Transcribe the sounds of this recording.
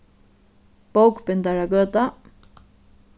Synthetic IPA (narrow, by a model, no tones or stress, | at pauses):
powkpɪnt̪aɾaɡœːt̪a